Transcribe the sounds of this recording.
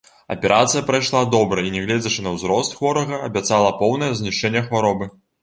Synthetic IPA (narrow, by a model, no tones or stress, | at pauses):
ɐ̰pʲɛɾʔat̪sɨjɐpɾajʂlˠad̪ɔbɾɐinʲɛɣlʲɛd͡zʲɐt͡ʂɨnɐwzɾɔst̪xvɔɾɐɣɐɐbʲat̪salˠɐpɔwnɐjɐzʲnʲiʂt͡ʂɛnʲːɛxvaɾɔbɨ